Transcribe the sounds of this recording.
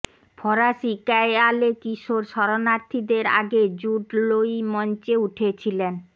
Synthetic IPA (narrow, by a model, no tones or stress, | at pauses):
pʰɔɾaʃikaealekiʃoɾʃɔɾonaɾt̪ʰid̪eɾa̰ɡed͡ʑuɖlojmɔnt͡ɕeuʈʰet͡ɕʰilen